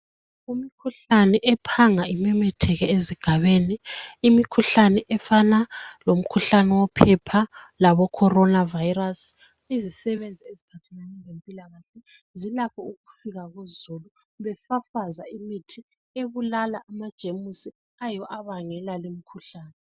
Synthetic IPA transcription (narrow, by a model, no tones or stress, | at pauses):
umikʰuɬanɛʔɛpʰaŋaimɛmɛtʰɛɣɛeziɡ̥ʱaβeːniːmikʰuɬanɛʔɛfanalom̩kʰuɬanɛwɔpʰɛpʰalaβɔkʰɔɾɔnavajiras | izisɛβend͡zʱiezipʰatʰɛnanɛŋempʼilaɣaɬɛ | zilakʰɔuɣufiɣaɣuzulu | βɛfafazaimitʰi | eβulalaʔamad̥ʒ̥ʱemusi | ajɔʔaβaŋɛlalimikʰuɬaːnɛ